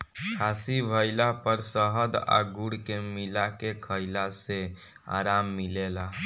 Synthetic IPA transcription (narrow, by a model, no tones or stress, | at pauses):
kʰaːsibʱəɪlapəɾsəɦəd̪a̰ɡuɽkemilakekʰəɪlase | a̰ːɾaːmːilela